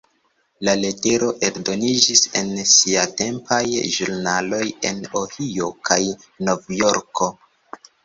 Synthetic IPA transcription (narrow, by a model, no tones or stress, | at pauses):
lale̞te̞ɾo̞ʔe̞ɾdo̞nid͡ʒise̞̰nsiate̞mpajʒuɾnalo̞je̞̰no̞hio̞kʰajno̞vjo̞ɾko̞